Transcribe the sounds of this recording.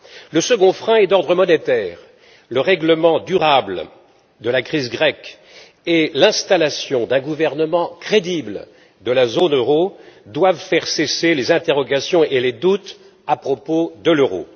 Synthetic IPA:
ləsəɡɔ̃fχɛ̃ɛd̪ɔʁd̪ʁəmɔnet̪ɛːʁ | ləʁɛɡləmɑ̃d̪yʁabl | d̪əlakχizɡʁɛk | elɛ̃st̪alasjɔ̃d̪ɛ̃ɡuvɛʁnəmɑ̃kχed̪ibl | d̪əlazonøʁod̪wavfɛʁseselezɛ̃t̪eʁɔɡasjɔ̃eled̪ut̪ | apχɔpod̪əløʁo̰

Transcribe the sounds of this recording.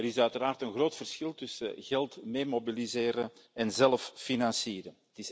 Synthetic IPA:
ɛɾɪsœɥtəɾaːrtənɣroːtfərsxɪlˠtʏsə̰ɣɛlˠtmeːmobilizeːɾəɛnzɛlffinɑnsiːɾə | tɪs

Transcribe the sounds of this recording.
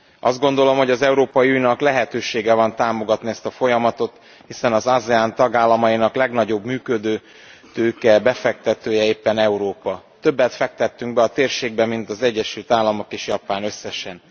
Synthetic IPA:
ʔɒzd̪̚ɡon̪d̪o̞lo̞mho̞ɟɒzɛuɾoːpɒjiujnɒklɛɦɛt̪øːʃeːɡɛvɒnt̪aːmo̞ɡɒt̪niɛst̪ɒfo̞jɒmɒt̪o̞t̪ | hisɛnɒzazɛant̪ɒɡaːlːɒmɒjinɒklɛɡnɒɟo̞bmyːkø̞d̪øː | t̪øːkɛbɛfɛk̚t̪ɛt̪øːjɛeːpːɛnɛuɾoːpɒt̪øbːɛt̪fɛk̚t̪ɛt̪ːyŋɡbɛɒt̪eːrʃeːɡ̚bɛmint̪ɒzɛɟːɛʃylt̪aːlːɒmo̞keːʃjɒpaːnø̞sːɛʃɛn

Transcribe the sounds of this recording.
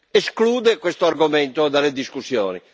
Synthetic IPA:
eskluːd̪ekwest̪oarɡoment̪od̪aled̪iskusjo̰ːnḭ

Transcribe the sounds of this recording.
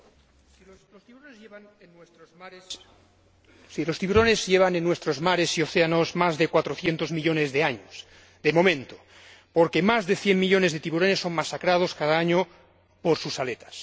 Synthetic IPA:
lost̪iuɾone | n | silo̞st̪iβuɾonezʝeβanenːwest̪ɾozmaɾe̞sioθeanozmazðe̞kwat̪ɾoθjent̪ozmiʎo̞ne̞zðe̞aɲos | ðemo̞mẽnt̪o̥ | poɾke̞mazðe̞θjemmːiʎo̞ne̞zðe̞t̪iβuɾo̞nesːo̞ŋmasakɾað̞o̞skaðaaɲo | poɾsusalet̪ḁs

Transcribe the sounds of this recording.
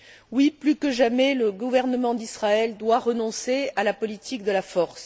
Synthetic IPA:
wiplykəʒamɛləɡuvɛʁnəmɑ̃d̪isχaɛld̪waʁənɔ̃sealapɔlit̪ʰik̚d̪əlafɔʁs

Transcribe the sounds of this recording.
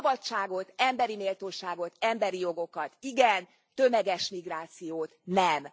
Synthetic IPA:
bɒtt͡ʃːaːɡo̞t̪ɛmbɛɾimeːlt̪oːʃaːɡo̞t̪ɛmbɛɾijo̞ɡo̞kɒt̪iɡɛn | t̪ømɛɡɛʃmiɡraːt̪sijoːt̪nɛm

